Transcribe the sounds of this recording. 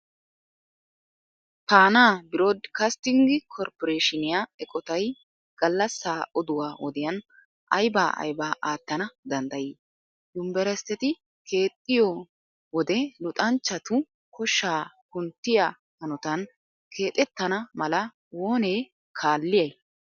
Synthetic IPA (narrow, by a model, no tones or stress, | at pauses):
paːnaːbɪɾoːd̪kɐst̪ɪŋɡɪkʰɔɾpɔɾeːʃɪnɪjaːɛkʼɔt̪ɐj | ɡ̥ɐlːɐsːaːʔɔd̪ʊwaːwɔd̪ɪjɐn | ʔɐjbaːʔɐ̰jbaːʔaːt̪ːɐnɐd̪ɐnd̪ɐjiː | d̪ʊmbɛɾɛst̪ːɛt̪ɪ | kʰe̞ːt̪ʼːɪjo | wɔd̪ɛlʊt̪ʼɐnt͡ʃːɐt̪ʊ | kʰɔʃːaːkʊnt̪ːɪjaː | hɐnɔt̪ɐn | kʰe̞ːt̪ʼɛt̪ːɐnɐmɐlɐ | wo̞ːneː | kʰaːlːɪjɐj